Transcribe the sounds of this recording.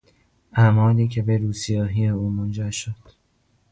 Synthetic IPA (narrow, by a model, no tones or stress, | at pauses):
ʔæmɒːliːcʰe̞beɾuːsijɒːɦiːeuːmond͡ʒæɾʃod̪̥